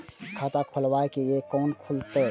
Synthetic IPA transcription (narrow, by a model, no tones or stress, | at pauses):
kʰat̪akʰʊlwaːekejekɔːnkʰult̪e